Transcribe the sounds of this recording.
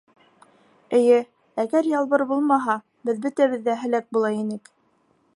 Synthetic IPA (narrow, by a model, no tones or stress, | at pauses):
ɘ̆jɘ | æɡæɾjɑlˠβɤɾbulˠmɑɦɑ | bɘðbɵ̆t̪æβɘ̆ðːæɦɘ̆læk̚bulˠɑinɘk